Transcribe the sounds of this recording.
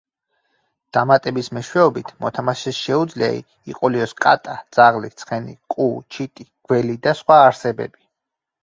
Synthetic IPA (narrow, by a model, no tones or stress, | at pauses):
d̪̥amat̪ʼɛbismɛʃwɛɔbit̪ʰmɔt̪ʰamaʃɛsʃɛud̪zlia̰ḭ | ḭqʼɔliɔskʼa̰t̪ʼad̪z̥aʁlit̪sʰχɛnḭkʼut͡ʃʰit̪ʼiɡ̥wɛlid̪asχwaːɾsɛbɛ̰bi